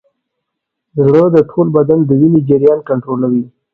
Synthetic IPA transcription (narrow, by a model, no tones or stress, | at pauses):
zɽəd̪əʈʰolbad̪and̪əwinid͡ʒɪɾjɑnkaɳʈɾolawi